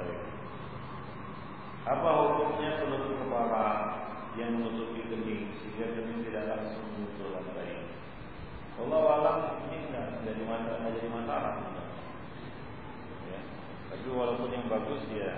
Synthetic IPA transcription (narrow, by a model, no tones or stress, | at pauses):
ja | apaɦukʊmɲasəluɾʊt̪̚kəpala | jaŋmənut̪upiɡənɪŋsɦiŋɡadənɪŋt̪idaʔlaŋsʊŋunt̪ʊlanbaŋ | kolawalaʔəmidaidadimataad͡ʒadimasaɾa̰k̚unt̪a̰ | ja | t̪apiwalawpʊnjaŋbaɡʊsja